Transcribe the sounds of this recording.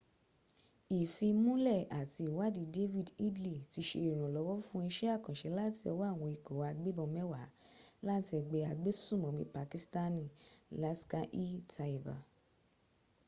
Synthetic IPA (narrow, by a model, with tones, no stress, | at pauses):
i˨fi˧mũ˦lɛ˦˨a˨ti˧i˨wa˦di˧de˦vi˦di˦dli˦˨ti˧˦ʃḛ˧i˨ɾ̃ã˨lɔ˨˧˦wɔ˦fũ˦i˧ʃɛ˦a˦˨kã˨ʃɛ˨˧˦la˦ti˧ɔ̰˧˦wa˦˨w̃ɔ̃˧i˨ko˨wa˨˧ɡ͡be˦bɔ̃˧mɛ̃˦wa˨˦la˦ti˧ɛ˧ɡ͡bɛ˧a˧ɡ͡be˦sũ˦˨mɔ̃˨mĩ˧˦pa˧ki˧sta˦nĩ˦˨la˦ska˧ʔi˦tʰa˧i˨va̰˨